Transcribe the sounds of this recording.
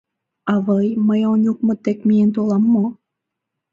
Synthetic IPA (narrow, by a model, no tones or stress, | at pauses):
ɑβəjməjonʲuk̚mə̆t̪ekmient̪olɑmːo